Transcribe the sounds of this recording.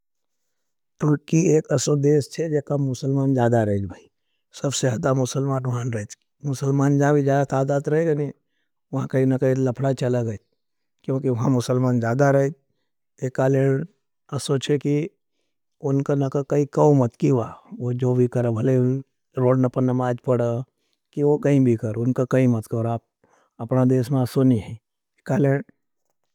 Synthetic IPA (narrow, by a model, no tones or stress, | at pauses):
t̪ʊɾkieːkɐsod̪eːst͡ʃʰed͡ʒekamʊsəlmaːnd͡ʒjaːd̪aɾɐɦed͡ʒbʱaːi | sɐbseaːd̪amʊsəlmaːnɐɦãnɾɐet͡ʃ | mʊsəlmaːnd͡ʒãbʱid͡ʒjaːd̪at̪aːd̪aːd̪ɾɐɦeɡani | ʋɐɦãkɐinɐkailɐpʰɽat͡ʃʰɐlaɡə | kjõːkiʋɐɦãmʊsəlmaːnd͡ʒjaːd̪aɾɐɦed͡ʒ | ekaːleːɽ | ɐsot͡ʃʰeki | ʊnkanɐkakɐikəwmɐt̪kiʋaʋod͡ʒoːbʱikɐɾebʱɐle | ɾoːɖnɐpənəmaːd͡ʒpɐɽə | kiʋokɐĩbʱikɐɾʊnkakɐĩmɐt̪kɐɾaːp̚ | ɐpnad̪eːsmẽɐsoniɦɛ̃ | ekaːleː